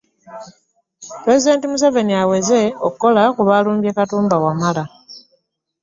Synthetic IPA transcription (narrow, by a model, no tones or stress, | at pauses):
pɾe̞zide̞ːntimus̬ave̞niawe̞ze̞okkːo̞lakuβaluːmbjekatuːmbawamala